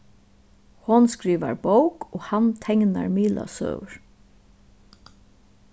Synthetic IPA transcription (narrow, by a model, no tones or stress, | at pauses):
hɔnskɾiːʋa̰ɹbowkɔːhant̪ʰɛŋna̰ɹmiːla̰sœ̰wɹ